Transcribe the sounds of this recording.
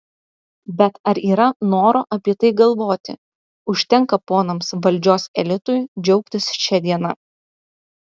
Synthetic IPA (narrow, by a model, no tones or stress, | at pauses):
bʲɛt̪ɐɾiːɾɐnoːɾoːʔɐpʲiɛt̪ɐɪɡɐlˠʋoːt̪ʲɪ̰ | ʊʃʲt̪ʲɛŋkɐpoːnɐmsʋɐlʲd͡ʒʲoːsɛlʲɪt̪ʊjd͡ʒʲɛʊkt̪ʲɪsʃʲɛd̪ʲiɛnɐ